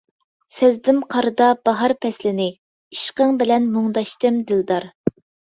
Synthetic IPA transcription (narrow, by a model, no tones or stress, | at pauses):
sɛzd̪ɪmqʰɑɾɨd̪ɑb̥ɑɦɑɾpʰɛslɪnɪ | iʃqəŋbɪlɛnmoŋd̪ɑʃt̪ɨmd̪ɨld̪ɑɾ